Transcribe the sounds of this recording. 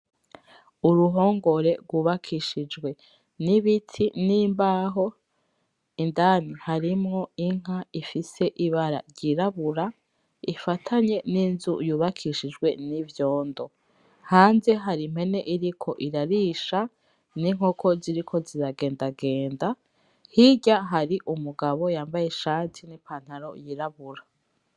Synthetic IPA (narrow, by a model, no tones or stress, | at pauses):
uɾuɦo̞ːŋɡo̞ɾe̞ɾɡwuːβakʰiʃid͡ʒɡwe̞ | niβitʰiniːmbaɦo̞ | indanihaɾimŋo̞iŋ̥aifise̞ʔiβaɾa̰ɾɟiɾaβuɾa | ifatʰaɲe̞niːnzṵjuːβakʰiʃid͡ʒɡwe̞nivjo̞ːndo̞ | haːnze̞ɦaɾim̥he̞ne̞ʔiɾikʰo̞ʔiɾaɾiʃa | niŋ̥hokʰo̞ziɾikʰo̞ziɾaɡe̞ːndaɡe̞ːnda | hiɟaɦaɾiʔumuɡaβo̞jaːmbaje̞ʃaːtʰinipʰaːn̥haɾo̞̰jiɾaβuɾa